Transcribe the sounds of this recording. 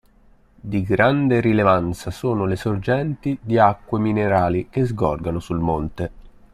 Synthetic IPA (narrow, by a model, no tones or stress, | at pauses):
d̪iɡɾand̪eɾilevant̪sasoːnolesord͡ʒɛnt̪id̪iakːwemineɾaːlikezɡɔ̰rɡanosulmont̪e